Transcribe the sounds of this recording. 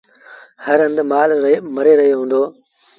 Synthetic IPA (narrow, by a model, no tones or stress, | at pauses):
həɾə̃nd̪maːlmɐɾeɾɐɦijoɦũːnd̪oː